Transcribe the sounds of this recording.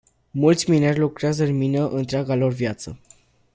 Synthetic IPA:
mult̪sʲminerʲlukɾeazəɨnminəʔɨnt̪ɾeaɡalo̞rvjat̪sə

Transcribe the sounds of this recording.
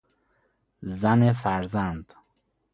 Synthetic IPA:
zanefaɾzand̪

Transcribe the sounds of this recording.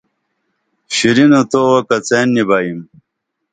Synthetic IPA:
ɕiɾinot̪owɐkɐt͡seːnːibaːjim

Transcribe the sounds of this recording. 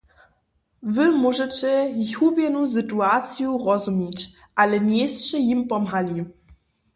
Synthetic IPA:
vɘmuʐɛt͡ɕɛiçubjɛnus̬ɨtuat̪sjuʁɔzumʲjɛt͡ɕ | ʔalɛɲʲejst͡ɕɛjimpɔmɦalʲi

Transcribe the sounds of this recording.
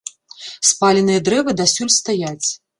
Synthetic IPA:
spalʲinɨjɐd̪ɾɛvɨd̪asʲulʲst̪ajat͡sʲ

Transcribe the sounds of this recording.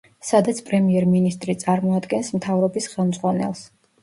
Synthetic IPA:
sad̪at̪sʰpʼɾɛmiɛɾminist̪ʼɾit̪sʼaɾmɔad̪ɡɛnsmt̪ʰavɾɔbisχɛlˠmd̪zʁwanɛ̰lˠs

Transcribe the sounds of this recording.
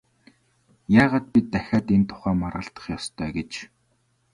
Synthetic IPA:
jaːʁaːt̪̚pʲit̪ːæxʲaːt̪ent̪ʰʊ̥χæːmarʁə̆ɬt̪ə̥̆χjɔst̪ʰœːɡet͡ɕ

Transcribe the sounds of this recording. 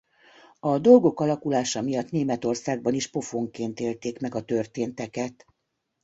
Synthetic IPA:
ɒd̪o̞lɡo̞kɒlɒkulaːʃɒmijɒt̪neːmɛt̪o̞rsaːɡ̚bɒniʃpo̞foŋkeːnt̪eːlt̪eːkmɛɡɒt̪ø̞rt̪eːnt̪ɛkɛt̪

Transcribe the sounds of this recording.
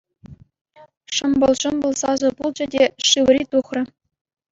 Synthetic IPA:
ʂɤ̆mbɤ̆lˠʂɤ̆mbɤ̆lˠsɑzɤ̆pulˠd͡ʑɘ̆dʲeʂɯʋɘ̆rʲit̪uχrʲɘ̆

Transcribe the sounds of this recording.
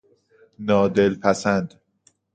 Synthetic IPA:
nɒːd̪elpʰæsænd̪̥

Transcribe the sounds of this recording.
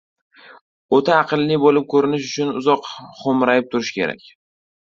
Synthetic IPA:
ot̪ʰaːqɨlˠːɪbolɪp̚kʰɵɾɪnɪʃʊt͡ʃʰʊnʊzɒqχomɾajɪp̚t̪ʰʊɾɪʃkʲe̞̰ɾa̰kʲ

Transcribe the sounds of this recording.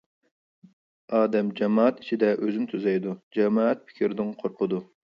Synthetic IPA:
ɑːd̪ɛmd͡ʒɛmɑːɛt̪i̥t͡ʃʰid̪ɛʔøzymt̪ʰyzɛjd̪ud͡ʒɛmɑːɛt̪̚pʰɪ̥kʲʰiɾɪd̪ɪŋqʰoɾqʰʊd̪u

